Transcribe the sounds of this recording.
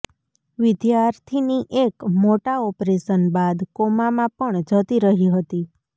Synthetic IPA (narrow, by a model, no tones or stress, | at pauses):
ʋɪd̪jaɾt̪ʰiniʔekmoʈaɔpɾeʃənbad̪komamãpəɳd͡ʒət̪iɾəɦiɦət̪i